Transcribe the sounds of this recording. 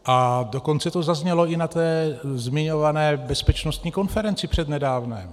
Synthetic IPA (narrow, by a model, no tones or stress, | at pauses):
ʔado̞ko̞nt͡sɛt̪o̞zazɲɛlo̞ʔɪnat̪ɛːzmɪɲo̞vanɛːbɛspɛt͡ʃnost̪ɲiːko̞nfɛɾɛnt͡sɪpr̝̥ɛd̪nɛdaːvnɛːm